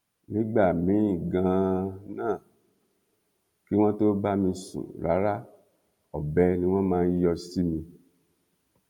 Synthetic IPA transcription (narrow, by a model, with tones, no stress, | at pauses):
nĩ˨˦ɡ͡ba˦˨mĩ˨˦ĩ˦˨ɡã˧nãː˦˨ | ki˦w̃ɔ̃˦to˦ba˦mĩ˧sṵ̃˨ɾa˨˦ɾa˦ | ɔ˨bɛ˨˦nĩ˧˦w̃ɔ̃˦mãː˦˧n̩˦jɔ˧si˦mĩ˧